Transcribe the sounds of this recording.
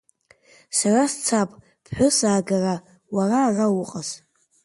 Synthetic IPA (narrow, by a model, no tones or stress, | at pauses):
sarast͡sʰapʼ | pʰħʷᶣʊsaːɡara | wararawʊqʼaz̥